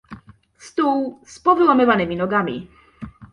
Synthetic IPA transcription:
st̪uwspɔvɘwamɘvanɘmʲinɔɡamʲḭ

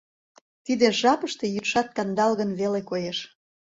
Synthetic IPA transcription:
t̪id̪eʒɑpəʃt̪e̽jyt̪ʃɑt̪̚kɑnd̪ɑlɣənβelekojeʃ

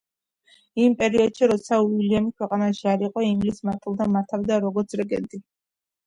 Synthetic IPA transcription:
impʼɛɾiɔd̪̥ʃiɾɔt̪sʰauiliamikʰwɛqʼanaʃiaɾiqʼɔimɡlismaɾt̪ʼilˠd̪amaɾt̪ʰavd̪aɾɔɡɔɾt̪sʰɾɛɡɛ̰nt̪ʼi

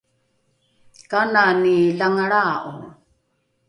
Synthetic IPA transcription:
kananilaŋaɭaːʔo̰

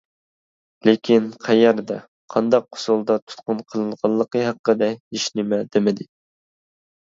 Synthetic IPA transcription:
lekʲʰinqʰæjɛɾd̪ɛ | qʰɑnd̪ɑq̚ːʰʊ̥sulˠd̪ɑt̪ʰu̥t̪̚qʊnqʰəlˠɨnʁɑlˠːəqəɦæqːəd̪ɛiʃnɪmɛd̪emɪd̪ɪ

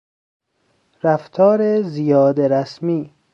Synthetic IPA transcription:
ɾæft̪ʰɒːɾezijɒːd̪eɾæsmiː

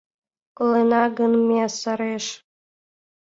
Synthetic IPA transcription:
kolˠenɑɡənmeɑsɑɾeʃ

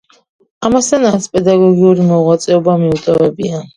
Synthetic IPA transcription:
amast̪ʰanat̪sʰpʼɛd̪aɡɔɡiuɾimɔʁwat̪sʼɛɔbamiut̪ʼɔvɛbia

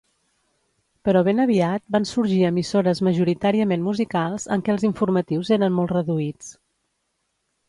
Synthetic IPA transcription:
pəɾɔβ̞enəβiat̪̚bansuɾʒiəmisoɾəzməʒuɾit̪aɾiəmenmuzikalˠz̥əŋkɛəlˠziɱfuɾmət̪iwzeɾənmolˠt̪rəðuit͡s

